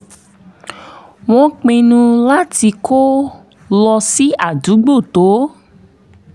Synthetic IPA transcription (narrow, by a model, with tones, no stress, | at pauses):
w̃ɔ̃˦˧k͡pẽ˧nũ˧la˦ti˧ko˦ | lɔ˧si˦a˦˨du˨˦ɡ͡bo˦˨to˨˦